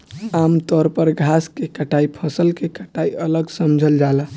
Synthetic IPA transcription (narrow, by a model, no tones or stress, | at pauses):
amt̪ɔɾpəɾɡʱaskekəʈaipʰəsəlkekəʈaiələɡsəmd͡ʒʱəld͡ʒala